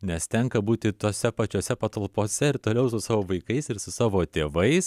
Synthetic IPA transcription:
nʲɛst̪ʲɛŋkɐbuːt̪ʲɪt̪oːsʲɛpɐt͡ʃʲoːsʲɛpɐt̪ɐlˠpoːsʲɛɪɾt̪oːlʲɛʊsʊsɑːʋoːʋɐɪkɐɪsɪɾsʊsɑːʋoːt̪ʲeːʋɐɪs

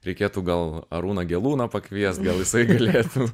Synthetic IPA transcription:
ɾʲɛɪkʲeːt̪uːɡɐlˠɐ̰ɾuːnɐɡʲɛlˠuːnɐpɐkʋʲiɛst̪ɡɐlˠjɪsɐɪɡɐlʲeːt̪u

